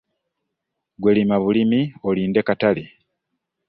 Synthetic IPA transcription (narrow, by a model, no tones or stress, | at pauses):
ɡwelimaβulimioliːnde̞katale